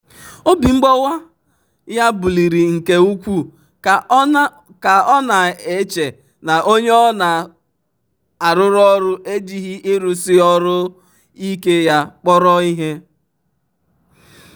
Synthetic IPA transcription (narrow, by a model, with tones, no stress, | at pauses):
o˦bi˨ŋ͡m̩˦ɡ͡bɔ˦wa˦ | ja˦bʊ˨li˨ɾi˨ŋ̩˨ke˦u˦kʷu˦ | ka˨ɔ˦na˨e˨t͡ʃe˨ | na˨ʔo˦ɲe˦ɔ˦na˨ | a˨ɾʊ˦ɾɔ˦ɾʊ˦ʔe˦d͡ʒi˦ɦi˦ʔi˦ɾu˨sɪ˦ɔ˦ɾʊ˦ | i˦ke˦ja˦k͡pɔ˦ɾɔ˦i˦ɦe˦